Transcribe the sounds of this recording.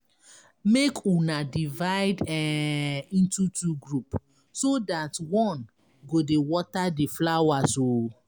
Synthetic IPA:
mekunadivaɪdɛĩntutuɡɹup | sodatwɔ̃n | ɡodewɔtadiflawaso

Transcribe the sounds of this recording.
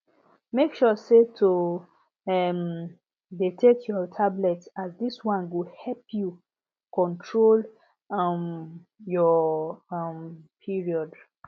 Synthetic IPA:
mekʃɔsetʰo | ɛm | detʰetʰjɔtʰablɛtazdiswãnɡuhɛpʰju | kɔ̃ntʰɹol | m | jɔ | mpʰiɹiɔd

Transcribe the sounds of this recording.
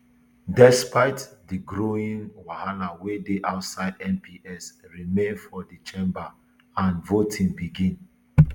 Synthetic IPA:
dɛspaɪtdiɡɹoĩnwahalawedeʔaʊtsaɪdɛ̃npʰiʔɛsɹimẽnfɔdit͡ʃẽmba | ãnvotʰĩŋbiɡĩn

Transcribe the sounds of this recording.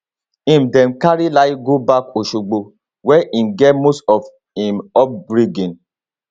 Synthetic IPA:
ĩmdɛ̃nkaɾilaiɡobakoʃuɡ͡bo | wɛʔĩnɡɛtmostɔf | ĩmɔp̚bɾiɡĩn

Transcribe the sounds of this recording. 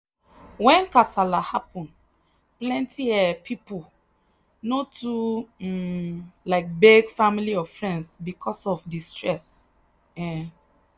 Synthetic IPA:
wɛ̃nkasalahapɔ̃n | plɛ̃ntiɛpʰipu | notʰu | laɪk̚beɡfamiliɔfɹɛ̃ndsbikʰɔsɔfdistɹɛs | ɛ

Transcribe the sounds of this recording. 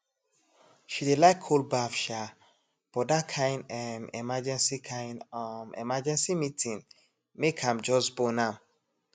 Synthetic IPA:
ʃidelaɪkʰːolbafʃa | b̥ɔdakʰãɪ̃ndamɛ̰mad͡ʒɛ̃nsikʰãɪ̃namḭmad͡ʒɛ̃nsimitʰĩn | mekʰãmd͡ʒɔsbonãm

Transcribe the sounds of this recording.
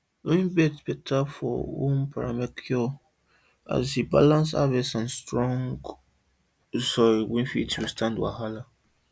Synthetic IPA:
wĩbɛtb̥ɛtʰafɔ̰wunpʰaɾamakʰɔ | a̰zibalãns̬a̰vɛsãnstɾɔ̃ŋɡ | zɔwĩnfḭtʰwustʰãndwa̰ɦala

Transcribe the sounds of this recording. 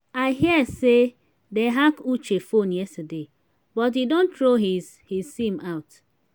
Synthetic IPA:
aɪɦiəse | deɦakut͡ʃefonjɛstade | bɔt̬hidõntɾoɦiz̥ | hisimaʊt

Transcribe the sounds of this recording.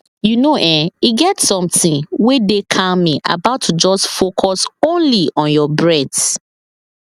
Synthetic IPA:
junoʔɛ̃iɡɛtsɔ̃mtĩnwedekʰamĩʔa̰baʊtʰːud͡ʒɔstfokʰɔsõnliʔɔ̃njɔbɹɛd

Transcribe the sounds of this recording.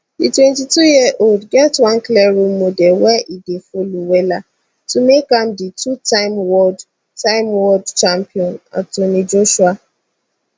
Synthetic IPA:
ditwɛ̃ntitujiəʔoldɡɛtwãnkliɾumːodɛlwɛʔidefoluwela | tumekamditutaɪmwɔd | taɪmwɔdt͡ʃampiɔ̃na̰tonid͡ʒoʃua

